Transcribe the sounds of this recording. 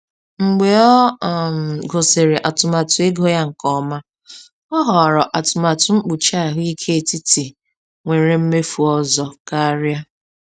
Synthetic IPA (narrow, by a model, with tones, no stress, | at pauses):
ŋ͡m̩˨ɡ͡be˨ɔ˦˨m˨ɡo˨se˨ɾe˨ʔa˨tʊ˨ma˨tʊ˨e˦ɡo˦ja˦ŋ̩˨kɔ˦ma˦ | ɔ˦ɦɔ˨ɾɔ˨ʔa˨tʊ˨ma˨tʊ˨ŋ͡m̩˦k͡pʊ˨t͡ʃa˦˨ɦʊ˦i˦kʰe˦e˨ti˦ti˨ | ŋʷe˨ɾe˨m̩˦me˦fu˨ɔ˦zɔ˨ka˦ɾja˦